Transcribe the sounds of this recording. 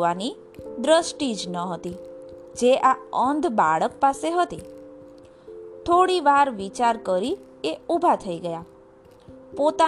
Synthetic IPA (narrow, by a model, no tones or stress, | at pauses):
ʋani | d̪ɾəsʈid͡ʒnəɦət̪i | d͡ʒeʔaənd̪ʱbaɭəkpaseɦət̪i | t̪ʰoɽiʋaɾʋit͡ʃaɾkəɾi | eubʱat̪ʰəiɡəja | pot̪a